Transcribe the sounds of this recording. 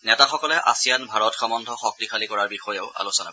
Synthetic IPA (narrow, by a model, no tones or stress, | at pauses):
nɛtaxɔkɔlɛʔa̰sijanbʱaɹɔtxɔmɔndʱɔxɔk̚tixalikɔɹaɹbixɔjɛʊa̰lusɔna̰